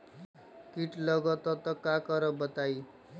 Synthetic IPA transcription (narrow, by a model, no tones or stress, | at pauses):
kiʈlʌɡʌt̪ɔt̪ʌkakʌɾʌbʌt̪aj